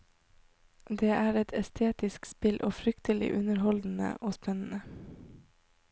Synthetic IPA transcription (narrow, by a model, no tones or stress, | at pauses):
d̪eːʔæːɾɛt̪ʰɛst̪ʰeːt̪ɪskspɪlʔoːfɾʏkt̪əlɪ̰ʔʉnəɾhɔld̪n̩ə̰ʔoːspɛnn̩ə